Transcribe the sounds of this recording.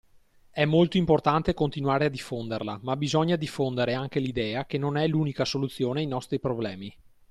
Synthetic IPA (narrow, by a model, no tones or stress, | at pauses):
ɛmːolt̪oimport̪ant̪ekont̪inuaːɾead̪ifːond̪erlamabizɔɲːad̪ifːond̪eɾeaŋk̟elid̪ɛːakenonɛluːnikasolut̪sːjoːneajnɔst̪ɾipɾoblɛːmi